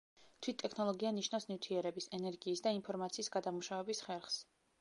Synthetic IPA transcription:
t̪ʰwit̪ʼːɛkʰnɔlˠɔɡianiʃnafsnivt̪ʰiɛɾɛbisɛnɛɾɡiːsd̪ainpʰɔɾmat̪sʰiːsɡad̪amuʃavɛbisχɛɾχs

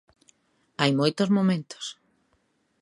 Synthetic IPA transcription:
ajmojt̪ozmomẽnt̪o̥s

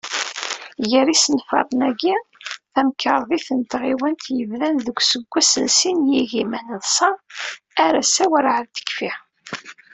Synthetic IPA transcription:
jəɾisənfɑ̰ɾˤnæɡiθæmkəɾˤðˤiθənt̪ʁiwænt̪jəvðænðəɡʷsəɡʷːæsə̰nsinjiɣimænəðˤsɑ | æɾæsæwæɾʕəɾt̪ə̥kfi

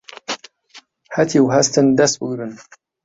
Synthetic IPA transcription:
hɐt̪ʰiwɦɐst̪ʰɨnd̪ɐst̪̚bɨɡɾɨn

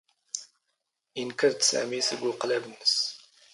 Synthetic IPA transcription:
jənkəɾt̪sæ̰misəɡuqlæbnːəs

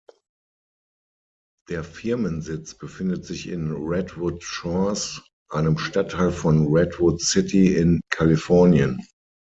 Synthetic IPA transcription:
d̥eːɐfɪɐmə̃nzɪt͡sb̥əfɪndətz̥ɪçɪ̰nʁɛdvʊtʃɔs | ʔaɪnəmʃtatʰːaɪlfɔnʁɛdwʊtsɪtiɪnkʰalifɔɐnjə̃n

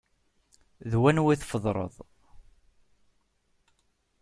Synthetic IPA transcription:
ðwænwiθfəðˤɾˤə̰ðˤ

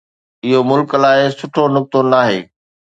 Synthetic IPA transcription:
ɪɦomʊlklaːɦɪsʊʈʰonʊk̚t̪onaːɦḛː

